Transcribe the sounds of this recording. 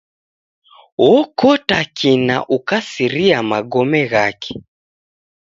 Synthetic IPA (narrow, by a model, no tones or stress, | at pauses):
wɔkɔtakʰina̰ʔukasiɾiamaɡɔmɛɣakɛ̥